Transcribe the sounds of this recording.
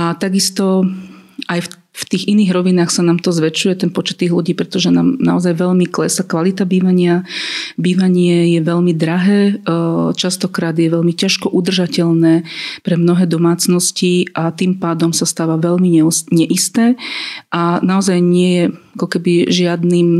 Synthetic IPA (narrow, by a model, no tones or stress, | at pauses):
at̪aɡist̪ɔ | ʔajf | ft̪iːɣiniːɣɾɔʋinaːxsanaːmt̪ɔzʋɛt͡ʃujɛt̪ɛnpɔt͡ʃɛ̥t̪ːiːɣluɟiːpɾɛt̪ɔʒɛna̰ːmna̰ɔzajʋɛʎmiklɛsakʋalit̪abiːʋaɲɪabiːʋaɲɪɛjɛʋɛʎmid̪ɾaɦɛː | t͡ʃast̪ɔkɾaːd̪jɛʋɛʎmicaʃkɔʔud̪r̩ʒacɛʎnɛːpɾɛmnɔɦɛːd̪ɔmaːt͡snɔsciʔat̪iːmpaːd̪ɔmsast̪aːʋaʋɛʎmiɲɛɲɛʔist̪ɛːʔanaɔzajɲɪɛjɛakɔkɛbiʒɪad̪niːm